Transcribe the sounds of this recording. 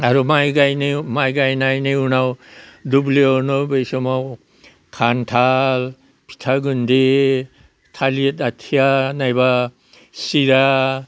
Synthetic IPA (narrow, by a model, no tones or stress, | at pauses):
aɾumajɡajnimajɡajnajniunawdublionɔbejsɔmaw | kʰantʰal | pʰi̥tʰaɡunde | tʰalietatʰijanajba | siɾa